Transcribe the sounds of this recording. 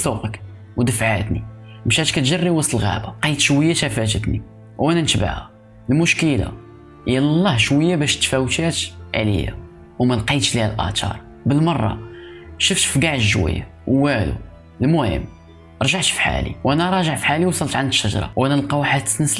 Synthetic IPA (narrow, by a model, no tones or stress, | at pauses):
suqək | wd̪əfʕat̪nimʃæt̪kæt̪ʒərːiwɑsˤlɣæ̰baqijt̪ʃwəjːaʃæfæt̪ət̪ni | wʔænænəʃba̰ʕhæ̰ | lmʊʃkəla̰ | həjːællˤːɑhʃwəjːabæʃt̪fæwt̪æt̪ʕlə̰ja̰ | wmælqit̪ʃlihælʔæ̰t̪ɑ̰ɾˤ | bəlmɑrˤːɑ̰ʃʊft̪fɡaʕʃʒwə̰jːa̰ | wwælṵ | lmʊhə̰m | ʔɾˤʒaʕt̪fħa̰lḭwʔænæɾˤɑʒəʕfħaliwɑsˤəlt̪ʕanʃːəʒɾˤɑ̰wʔænælqɑwħat̪ːə̥snəs